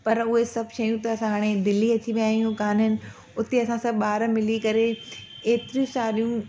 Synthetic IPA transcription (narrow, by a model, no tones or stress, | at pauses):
pɐɾʊɦesɐbʱʃɐjũt̪ɐɐsãɦɐɽ̃ed̪ɪliɐt͡ɕʰiʋijaːijũkaːnɦɪnɪ̆ | ʊt̪eɐsãsɐbɓaːɾmɪlikɐɾe | eːt̪ɪɾijũsaːɾijũ